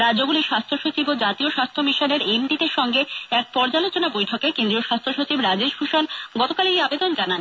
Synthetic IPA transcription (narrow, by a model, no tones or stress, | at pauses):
ɾad͡ʑoɡuliʃast̪ʰoʃot͡ɕibod͡ʑat̪ioʃast̪ʰomiʃoneɾemɖid̪eɾʃɔŋɡeɛk̚pɔɾd͡ʑalot͡ɕonabojʈʰokekend̪ɾioʃast̪ʰoʃot͡ɕibɾad͡ʑeʃfʰuʃanɡɔt̪okalejabed̪ond͡ʑanan